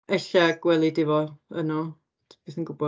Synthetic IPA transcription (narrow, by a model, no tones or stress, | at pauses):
ɛɬaɡ̥wɛlˠidɪvɔənɔ | b̥iːθənɡʊbɔ